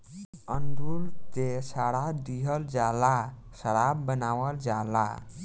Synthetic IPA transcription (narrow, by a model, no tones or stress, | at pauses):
ənd̪ʱult̪esaɽad̪iɦəld͡ʒala | səɽabːənawəld͡ʒala̰